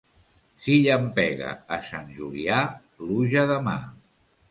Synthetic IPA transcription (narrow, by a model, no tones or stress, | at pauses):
siʎəmpɛɣə̰ːsanʒulia | luʒəðəma